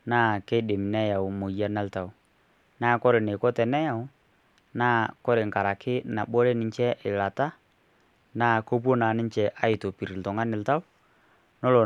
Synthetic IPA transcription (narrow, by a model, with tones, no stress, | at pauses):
naː˦kɛ˦dɪ˨m˨nɛ˦ja˨wmo˨ja˦na˦lta˨wʊ˨ | naː˦˨kɔ˦ɾɪ˨nɪ˨kɔ˦tɛ˨nɛ˦ja˨ʊ˦ | naː˦kɔ˦ɾɪ˨ŋ˨ka˨ɾa˨kɪ˦na˨ɓo˦ɾe˦nɪ˨t͡ʃɛ˦ʔɪ˨la˨ta˦ | naː˦˨ko˦p̬wo˦na˨nɪ˦nt͡ʃɛ˨ʔa˦ɪ˨to˨pi˨ɾɪ˨ltɔ˨ŋa˦nɪ˨lta˦w | nɔ˦lɔ˨